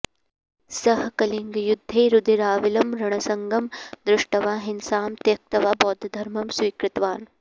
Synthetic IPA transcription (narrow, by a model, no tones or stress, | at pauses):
sɐɦkɐliŋɡjud̪ʱːeːɾʊd̪ʱiɾaːʋilɐmɾɐɳ̃ɐsɐŋɡɐmd̪ɾɪʂʈɐʋaːɦinsaːmt̪jɐk̚t̪ɐʋaːbɔːd̪ʱɐd̪ʱɐɾmɐmswiːkɾɪt̪ʋaːn